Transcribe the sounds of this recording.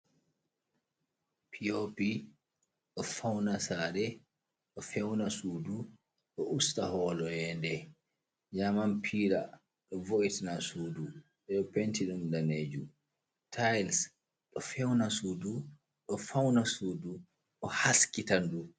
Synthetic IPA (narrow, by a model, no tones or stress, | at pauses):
pʰiopi | ɗɔfawnasaːɾɛ | ɗɔfɛwnasuːdu | ɗɔʔustahɔːlɔjɛndɛ | ɲamanpʰiːɾa | ɗɔvoʔitanasuːdu | ɗɛɗɔpentiɗumdaneːd͡ʒu | tʰajls | ɗɔfɛwnasuːdu | ɗɔfawnasuːdu | ɗɔhaskitandu